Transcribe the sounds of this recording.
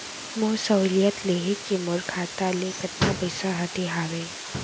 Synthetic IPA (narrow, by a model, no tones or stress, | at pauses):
moːsəlijət̪leːɦekimʊɾkʰaːt̪alekɐt̪ːapɐɪsaɦɐʈ̪eɦaːʋeː